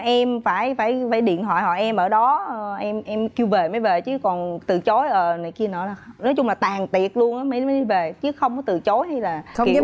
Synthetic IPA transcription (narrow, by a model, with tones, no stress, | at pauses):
ʔɛ˧mfaː˧˩jfaː˧˩jfaː˧˩jɗḭ˧˨ənt̪ʰwa̰ː˧˨jɦɔ̰˧˨ʔɛ˧mʔəː˧˩ɗɔ˨˦˨ʔɛ˧mʔɛ˧mki˧wve˨˩ma˨˦jve˨˩t͡ɕɨ˨˦kɔ˨˩nt̪ɨ˨˩t͡ɕo˨˦jʔəː˨˩naː˨˩jki˧ənɔ̰˨˦laː˨˩nɔ˨˦jt͡ɕʊ˧ŋ͡mlaː˨˩t̪aː˨˩ŋt̪i˨˩ət̚lu˧ənʔaː˨˦ma˨˦jma˨˦jɗi˧ve˨˩t͡ɕɨ˨˦xə˧wŋ͡mkɔ˨˦t̪ɨ˨˩t͡ɕo˨˦jɦa˧jlaː˨˩˧